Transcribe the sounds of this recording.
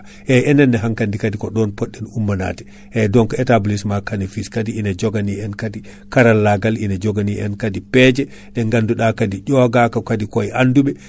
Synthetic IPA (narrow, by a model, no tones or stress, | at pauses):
ʔɛɛnɛnːɛɦaŋkandikadikɔɗɔnpɔɗːɛnumːana̰tɛ̥ | ɛdɔnkɔɛtablismakanifiskadiinad͡ʒɔɡaniɛnkadi | kaɾalːaɡalinad͡ʒɔɡaniʔɛ̰nkadipɛd͡ʒɛ | ɗɛŋɡanduɗakadiɟɔɡakakadikɔɛʔanduɓɛ